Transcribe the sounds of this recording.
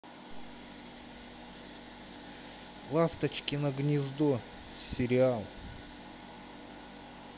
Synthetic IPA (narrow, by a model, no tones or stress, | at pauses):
plˠast̪ət͡ɕkʲɪnəɡnʲɪzd̪u | sʲɪɾʲɪalˠ